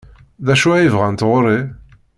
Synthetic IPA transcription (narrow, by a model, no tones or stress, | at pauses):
ðæʃuæjivʁænt̪ʁʊɾˤi